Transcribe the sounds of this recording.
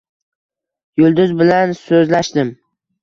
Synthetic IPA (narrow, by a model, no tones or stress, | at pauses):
jʊlˠd̪ʊzbɪlansɵzlaʃt̪ɪm